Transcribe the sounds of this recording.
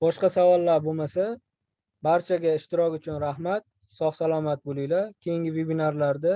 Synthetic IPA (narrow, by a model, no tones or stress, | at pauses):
bɒʃqɑsavɒlˠːaɾbomasa | baɾt͡ʃʰaɡʲaɪʃt̪ɪɾɒkʲʊt͡ʃʰʊnɾahmat̪̚ | sɒχsalˠɒmat̪̚bolˠɪjlakʲʰejɪŋɡʲɪvebinaɾlaɾd̪a